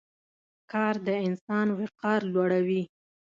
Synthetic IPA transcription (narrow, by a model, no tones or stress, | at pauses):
kɑɾd̪əɪnsɑnwɪqɑɾlwaɽawi